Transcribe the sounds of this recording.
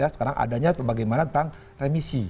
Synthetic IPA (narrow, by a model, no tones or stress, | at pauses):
asəkaɾaŋʔa̰daɲapəbaɡajmanat̪ənt̪aŋ | remisi